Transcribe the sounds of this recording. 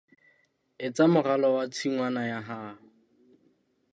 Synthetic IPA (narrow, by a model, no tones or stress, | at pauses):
ɪt͡samʊralɔwat͡sʰiŋwanajaɦaː